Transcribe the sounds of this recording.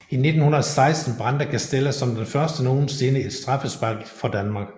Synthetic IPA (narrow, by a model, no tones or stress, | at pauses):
ine̝d̥n̩hunɐɒsɑ̈ɪsd̥n̩b̥ʁɑ̈nd̥ɐkʰæsd̥eləsːɒ̽md̥enfɶɐsd̥ənoːn̩se̝ːnəed̥sd̥ʁɑ̈fəsb̥ɑ̈ɡ̥fɒ̽d̥ænmɑ̈ːɡ̥